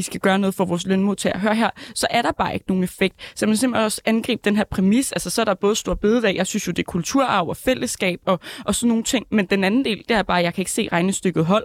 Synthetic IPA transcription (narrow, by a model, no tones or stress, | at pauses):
isɡ̥æɡ̥ɶːɐnɔ̽ð̩ˠfɒʋɒːslønmuð̰ˠt͡sʰeæɦøːɐɦeɐ̰sɒ̽ʔæɐɾ̥ɑ̈b̥ɑ̈ːe̝ɡ̥əno̝ːn̩efeɡ̥̚d̥sæmænsemb̥henɒ̽sænɡ̥ʁḭːb̥̚d̥enɦeɐ̰pʰʁɛmisælsɐsɒ̽æɐɾ̥ɑb̥ɔ̽ːðˠsd̥uɑ̈b̥e̝ːð̩ˠæjɑ̈ɪsynsjo̝d̥e̝kʰult͡sʰuɐ̰ɑ̈ʊɒfel̰ʔəsɡ̥ɛ̰ːb̥ɒ̽ʔɒ̽sɒ̽nːo̝ːn̩t͡sʰe̝ŋ̰mend̥enænn̩d̥e̝̰ːld̥e̝æɐb̥ɑ̈ːjɑ̈ɪkʰæe̝ɡ̥əse̝̰ːʁɑ̈ɪnəsd̥øɡ̥ð̩ˠɦɒ̽l̰